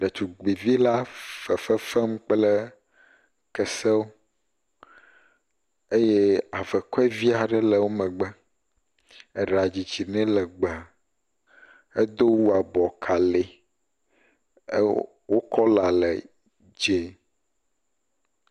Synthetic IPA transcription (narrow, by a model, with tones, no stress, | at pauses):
ɖɛ˨t͡ʃu˨ɡ͡bi˨vi˦la˦fɛ˨fɛ˦fɛ˦m̩˦k͡plɛ˦ | kɛ˨sɛ˦wo˦ | e˦je˦a˨vɛ˨kɔ˦ɛ˦vi˦a˨ɖɛ˦lɛ˨wo˦mɛ̃˨ɡ͡bɛ˦ | e˨ɖa˨d͡ʑi˨d͡ʑi˨nɛ̃˦lɛ˨ɡ͡bɛ˨ | e˦d̪o˦wu˦a˨bɔ˨kʰa˨le˨˦ | wo˦kɔ˦la˨lɛ̰˨ | d͡ʒe˨